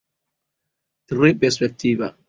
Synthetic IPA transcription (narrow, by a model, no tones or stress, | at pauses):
trepɛɾspɛk̚t̪ʰiːva̰